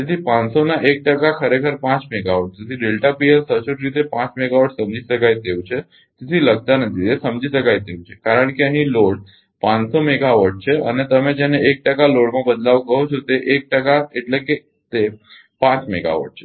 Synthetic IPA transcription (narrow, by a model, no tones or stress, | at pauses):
t̪et̪ʰiːpãnsonaʔek̚ʈəkakʰəɾekʰəɾpãt͡smeɡaʋəʈ̚t̪it̪ʰiɖelʈapielsəɕuʈɾit̪epãt͡smeɡaʋəʈsəmd͡ʑʱisəkajt̪ewt͡ɕʰe | t̪it̪ʰiːləɡt̪anət̪ʰit̪esəmd͡ʑʱisəkajt̪ewt͡ɕʰekaɾəɳkiaɦiloɽ | pãnsomeɡaʋəʈ̚t͡ɕʰeə̰net̪əmẽd͡ʑaneek̚ʈəkaloɽmãbəd̪laʋkəɦot͡ʃʰot̪eʔek̚ʈəkaeʈleke | t̪e | pãt͡smeɡa̰ʋə̰ʈ̚t͡ɕʰe̥